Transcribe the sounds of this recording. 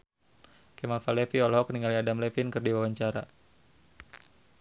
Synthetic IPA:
kɛmafalɛfiɔlhɦɔk̚niŋaliadamlɛfinkɨrdiwawaɲt͡ʃaɾa̰

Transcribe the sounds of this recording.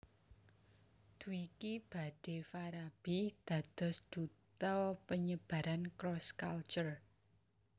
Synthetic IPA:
d̪̥uikib̥ä̤ɖ̥e̤faɾab̥id̪̥ä̤d̪̥ɔ̤sd̪̥ṳt̪ɔpəɲəb̥a̤ɾankɾɔskalt͡ʃər

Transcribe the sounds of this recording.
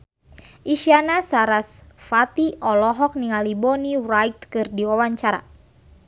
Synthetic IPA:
ʔiʃianasaɾasfat̪iɔlɔɦɔk̚niŋalibɔnirajt̪kɨrdiwawaɲt͡ʃaɾa̰

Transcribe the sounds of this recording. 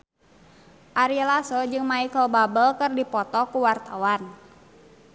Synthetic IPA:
ʔaɾilasɔd͡ʒɨŋmaikəlbabəlkɨrdipɔt̪ɔkuwart̪awan

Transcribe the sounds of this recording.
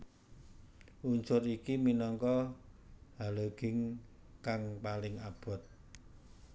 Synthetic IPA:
ʔuɲt͡ʃʊɾikiminɔŋkɔ | haləɡ̥ɪ̤ŋkaŋpalɪŋab̥ɔ̤t̪̚

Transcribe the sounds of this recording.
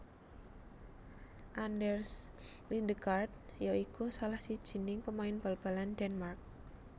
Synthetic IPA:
ʔandɛrslind̪əkart̪̚joikusalahsid̥ʒ̥i̤nɪŋpəmaɪnb̥alb̥a̤landɛnmark̚

